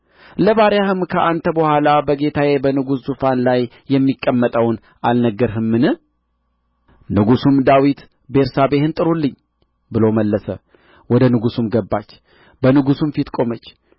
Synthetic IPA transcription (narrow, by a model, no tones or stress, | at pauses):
ləβaɾjahɨmkʰəʔant̪ʰəbəhʷalabəɡe̞t̪ʰajebənɨɡuszufanlajːɛmːikʼːəmːət̪ʼəwn | ʔalnəɡːəɾɦɨmːɨnɨ | nɨɡusumd̪awit̪ | be̞ɾsabe̞hɨnt̪ʼɨɾulːɨɲː | bɨlo̞məlːəsə | wɔd̪ənɨɡusumɡəbːa̰t͡ʃː | bənɨɡusumfit̪kʼo̞mət͡ʃː